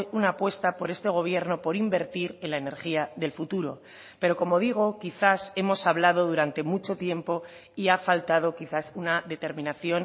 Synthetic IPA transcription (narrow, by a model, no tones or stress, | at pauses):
junaːpwe̞st̪apo̞ɾe̞st̪e̞ɣ̞o̞β̞je̞ɾno̞po̞ɾimbe̞ɾt̪iɾe̞nlaene̞ɾxiaðe̞lfut̪uɾo̞̰ | pe̞ɾo̞ko̞mo̞ðiɣ̞o̞kiθase̞mo̞saβlaðo̞ðuɾant̪e̞mut͡ʃo̞t̪je̞mpo̞ | iafalt̪að̞o̞kiθasunaðe̞t̪e̞ɾmĩnaθjo̞n